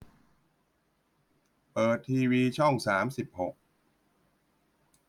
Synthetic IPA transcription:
pɤː˨˩t̪ʰːiː˧wiː˧t͡ɕʰɔ˥˩ŋsaː˩˦msi˨˩p̚ho˨˩k̚

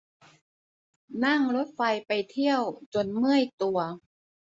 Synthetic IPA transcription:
na˥˩ŋɾo˦˥t̪̚fa˧jpa˧jt̪ʰi˥˩əwt͡ɕo˧nmɯ˥˩əjt̪u˨˧˩ɐ

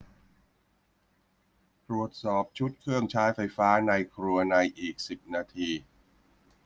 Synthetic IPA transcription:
t̪ɾu˨˩ət̪̚sɔː˨˩p̚t͡ɕʰu˦˥t̪̚kʰɾɯ˥˩əŋt͡ɕʰaː˦˥jfa˧jfaː˦˥na˧jkʰɾu˧ɐna˧jʔiː˨˩k̚si˨˩p̚naː˧t̪ʰiː˧

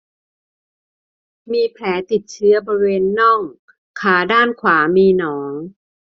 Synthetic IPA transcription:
miː˧pʰlɛː˩˦t̪i˨˩t̪̚t͡ɕʰɯ˦˥ɐbɔː˧ɾi˧weː˧nːɔ˥˩ŋ | kʰaː˩˦daː˥˩nkʰwaː˩˦miː˧nɔː˩˦ŋ

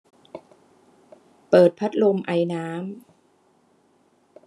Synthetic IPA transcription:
pɤː˨˩t̪̚pʰa˦˥t̪̚lo˧mʔa˧jnaː˦˥m

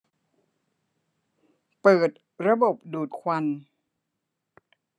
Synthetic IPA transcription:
pɤː˨˩t̪̚ | ɾa˧bo˨˩p̚duː˨˩t̪̚kʰwa˧n

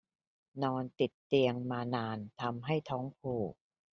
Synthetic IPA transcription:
nɔː˧nt̪i˨˩t̪ːi˧əŋmaː˧naː˧nt̪ʰa˧mɦa˥˩jt̪ʰɔː˦˥ŋpʰuː˨˩k̚

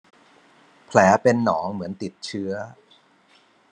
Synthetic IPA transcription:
pʰlɛː˩˦pe˧nːɔː˩˦ŋmɯ˩˦ənt̪i˨˩t̪̚t͡ɕʰɯ˦˥ɐ

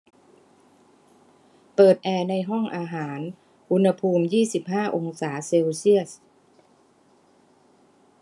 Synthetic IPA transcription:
pɤː˨˩t̪̚ʔɛː˧na˧jɦɔ˥˩ŋʔaː˧ɦaː˩˦n | ʔu˧nha˧pʰuː˧mjiː˥˩si˨˩p̚haː˥˩ʔo˧ŋsaː˩˦seː˧wsi˥˩əs

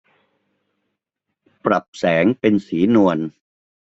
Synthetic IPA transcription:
pɾa˨˩p̚sɛː˩˦ŋpe˧nsiː˩˦nu˧ən

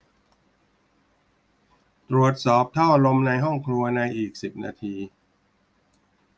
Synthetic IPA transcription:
t̪ɾu˨˩ət̪̚sɔː˨˩p̚t̪ʰa˥˩wʔlo˧mna˧jɦɔ˥˩ŋkʰlu˧ɐna˧jʔiː˨˩k̚si˨˩p̚na̰ː˧t̪ʰiː˧

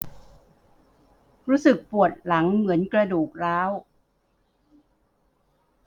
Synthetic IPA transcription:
ɾuː˦˥sɯ˨˩k̚pu˨˩ət̪̚la˩˦ŋmɯ˩˦ənkɾa˧duː˨˩k̚ɾaː˦˥w

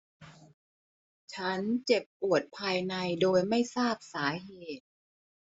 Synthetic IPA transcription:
t͡ɕʰa˦˥nt͡ɕe˨˩pːu˨˩ət̪̚pʰaː˧jna˧jdoː˧jma˥˩jsaː˥˩p̚saː˩˦ɦeː˨˩t̪̚

